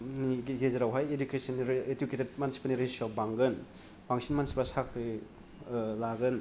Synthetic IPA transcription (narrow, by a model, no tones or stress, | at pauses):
niɡezɐɾawɦajedukesɐnːɾeduketed̚mansi̥pɐniɾeswakbaŋɡɯn | baŋsʰinmansi̥pɐsak | laɡɯn